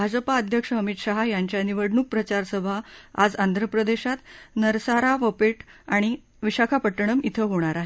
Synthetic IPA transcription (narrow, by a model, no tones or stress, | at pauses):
bʱad͡zəpaəd̪ʱjəkʂəɦəmit̪ɕaɦajaɲt͡ɕjaniʋəɽɳuk̚pɾət͡ɕaɾsəbʱaa̰d͡zand̪ʱɾəpɾəd̪eɕat̪nəɾsaɾaʋəpeʈaɽ̃i | ʋiɕakʰapəʈːəɽ̃əmit̪ʰəɦoɽ̃aɾaɦe